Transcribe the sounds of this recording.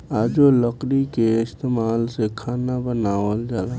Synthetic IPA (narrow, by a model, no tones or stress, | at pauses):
aːd͡ʒoləqɾikeɪst̪eːmaːlsekʰaːnabənaːʋəld͡ʒala